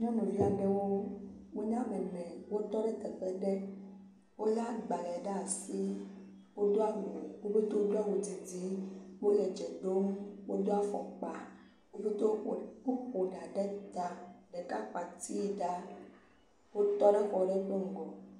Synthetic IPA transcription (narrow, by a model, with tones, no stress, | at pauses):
ɲɔ̃˦mẽ˨vi˦a˨ɖɛ˦wo˦wo˦ɲã˦mɛ˨nɛ̃˨wo˦t̪ɔ˦ɖɛ˦t̪ɛ˨ɸɛ˨ɖɛ˦ | wo˦la˦ɡ͡ba˨lɛ˨ɖa˦˨si˦ | wo˦d̪o˦a˦wo˨wo˦bo˦t̪o˦o˦do˦a˦wo˨d͡zi˨d͡zi˦wo˦lɛ˨d͡ʒɛ˨ɖo˦mwo˦d̪o˦a˦fɔ̰˨k͡pa˨ | wo˦be˦t̪o˦˨o˦xo˨ɖa˨ɖɛ˦t̪a˨ɖɛ˨ka˦k͡pa˨t̪i˦˨ɖa˦ | wo˦t̪ɔ˦ɖe˦xɔ˨ɖɛ˦k͡po˦ŋ̩˦ɡɔ˨